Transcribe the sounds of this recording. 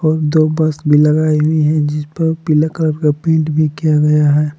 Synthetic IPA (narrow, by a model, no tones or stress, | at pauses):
ɔːɾd̪oːbɐsbʱilɐɡaːiɦʊiɦɛ̃d͡ʒɪspɐɾpɪlakɾəɾkapẽːɳʈbʱikijaɡɐjaɦɛː